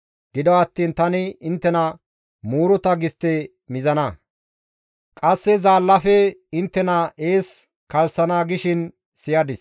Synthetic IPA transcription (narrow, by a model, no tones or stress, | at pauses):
ɡ̥ɪd̪ɔɐt̪ːiːnt̪ɐnɪɪnt̪ːɛnɐ | muːɾʊt̪ɐɡɪst̪ːɛ | mɪzɐnɐ | kʼɐsːɛzaːlːɐfɛɪnt̪ːɛnɐeːs | kɐlsɐnaːɡɪʃɪn | sɪjɐd̪ɪs